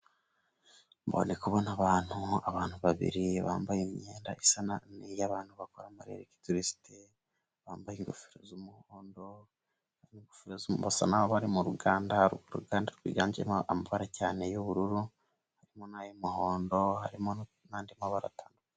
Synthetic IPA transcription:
mbo̰nekuβonaβaːn̥huaβaːn̥huβaβḭɾiβa̰ːmbajimɲeːnda̰ʔisananijaβaːn̥huβakoɾamaɾḛɾeki̥tuɾisi̥te | βaːmbajiŋɡufiɾozumuhoːndo̞ | haiŋɡufiɾozuβasa̰naβoβaɾimuɾuɡaːndaɾuɾṵɡaːndaɾuɡwḭɡaːɲɟḛamaβaɾacaːne̞juβuɾuɾu | haɾimonajomuho̞ːndo̞haɾimo | naːndimaβaɾa̰taːnduka

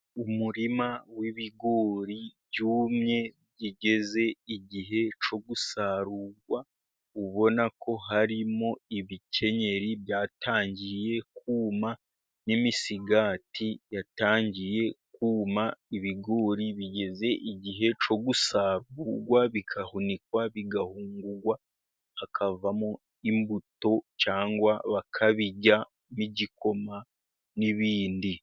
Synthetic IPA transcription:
umuɾimawiβiɡo̞ɾibjuːmɲe̞ | ɟiɟe̞ze̞iɟiɦe̞t͡ʃo̞ɡusaɾuːɡwa | uβo̞nako̞ɦaɾimo̞iβicʰe̞ɲe̞ɾibjaːtʰaːɲɟije̞k̚uːma | nimisiɡaːtʰijataːɲɟije̞kuːmaiβiɡoːɾiβiɟe̞ze̞ʔiɟiɦe̞t͡ʃo̞ɡusaːβuɡwaβikʰahunikwaβiɡahuːŋɡuɡwa | akʰavamo | imbuto̞t͡ʃaːŋɡwaβakʰaβiɟa | miɟiko̞ma | niβiːndi

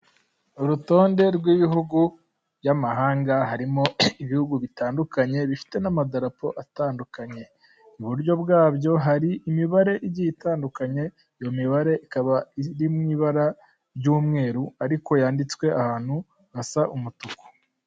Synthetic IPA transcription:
uɾuto̞ːnde̞ɾɡwiːβiɦuɡu | ɾjamaɦaːŋɡaɦaɾimo̞iβihuɡuβitaːndukaɲe̞βifi̥te̞namadaɾapo̞̰ʔataːndukaɲe̞ | uβuɾjo̞bɡaːbjo̞ɦaɾiʔːmiβaɾe̞ʔiɟijitaːndukaɲe̞ | ijo̞miβaɾe̞ʔikaβaiɾimŋiːβaɾa | ɾjuːmŋe̞ːɾuaɾiko̞jaːndit͡swe̞ahaːn̥hu | asaʔumutuku̥

